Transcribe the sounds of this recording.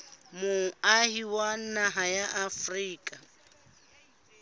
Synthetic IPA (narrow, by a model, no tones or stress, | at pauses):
mʊahiwanaɦajaʔafriːkʼa